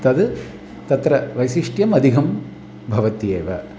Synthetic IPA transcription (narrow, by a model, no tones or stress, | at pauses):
t̪ɐd̪ɨ | t̪ɐt̪ɾɐʋɐjsiʂʈjɐmɐd̪ʱiɡɐm | bʱɐʋɐt̪jeːʋɐ